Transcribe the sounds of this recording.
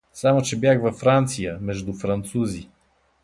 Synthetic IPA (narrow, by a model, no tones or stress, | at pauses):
samot͡ʃɛbjaxvɐfɾant̪sijəmɛʒd̪ufɾɐnt̪suzi